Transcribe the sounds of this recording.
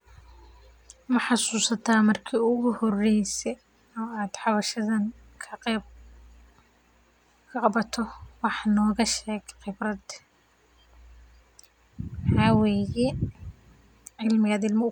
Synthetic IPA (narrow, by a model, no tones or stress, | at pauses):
mɐħɑsuːsɐt̪ʰaːmɐrkʰiːʊɣʊhɔrɛjsɛ | ɔːaːd̪̥ħɑβɐʃɐðɐn | kʰɐ | kʰɐqɑbɐt̪ʰɔwɑħnɔːɣɐʃɛːɡqɪbrɐd̪ | ħɑːwɛːjɛ | ʕɪlmɪɣɐːd̪ɪlmɪ